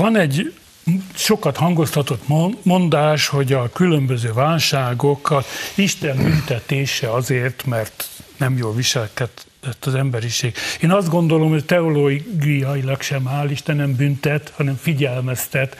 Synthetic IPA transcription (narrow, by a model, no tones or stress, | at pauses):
vɒnɛɟ | ʃo̞kɒt̪hɒŋɡo̞st̪ɒt̪o̞t̪momo̞nd̪aːʃho̞ɟɒkylømbøzøːvaːlʃaːɡokɒiʃt̪ɛmbynt̪ɛt̪eːʃɛɒzeːrt̪mɛrt̪nɛmjoːlʋiʃɛlkɛt̪ | ɛt̪ːɒzɛmbɛɾiʃeːɡeːnɒzd̪ɡo̞nd̪o̞lo̞mhoct̪ɛoloːɡijɒilɒkʃɛmaːliʃt̪ɛnːɛmbynt̪ɛt̪hɒnɛɱfiɟɛlmɛst̪ɛt̪